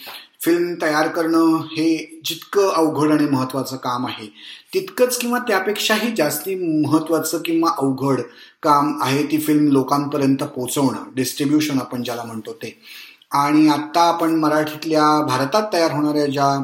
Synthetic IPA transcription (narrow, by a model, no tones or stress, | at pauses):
filmt̪əjaɾkəɾɳəhed͡ʑit̪kəʔəʋɡʱəɽaɽ̃iməɦət̪ːʋat͡səːkamaɦet̪it̪kət͡skĩw̃ʋat̪japekʂaɦiːd͡zast̪iːməɦət̪ːʋat͡səːkĩw̃ʋaʔəʋɡʱəɽ | kamaɦet̪iːfilmlokampəɾjənt̪əpot͡səʋɳa̰ɖisʈɾibjuɕənapəɳd͡ʑjalam̤əɳt̪ot̪e | aɽ̃iat̪ːaːpəɳməɾaʈʰit̪ljabʱaɾt̪at̪ːəjaɾɦoɽ̃aɾjad͡ʑa